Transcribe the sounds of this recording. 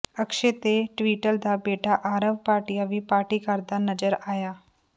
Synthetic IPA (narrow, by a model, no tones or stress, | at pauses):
əkʃet̪eʈʋiːʈəld̪abeːʈaʔaːɾəʋpaːɾʈijaʋipaːɾʈikaɾd̪anəd͡ʒəɾaːjaː